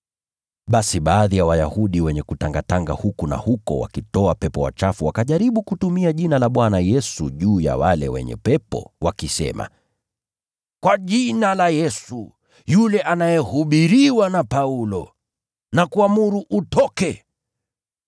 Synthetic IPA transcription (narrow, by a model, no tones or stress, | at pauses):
ɓasiɓaːðijawajahuɗiwɛɲɛkutaŋɡataŋɡahukuna̰hukɔ̰wa̰kitɔapɛpɔwa̰t͡ʃafuwakaʄaɾiɓukutumiaʄinalaɓwanajɛsuʄuːja̰walɛ̰wɛ̰ɲɛ̰pɛpɔ̰wakisɛ̰ma̰ | kwaʄinalajɛsu | julɛʔanajɛhuɓiɾiwanapaulɔ̰ | nakuamuɾuʔutɔkɛ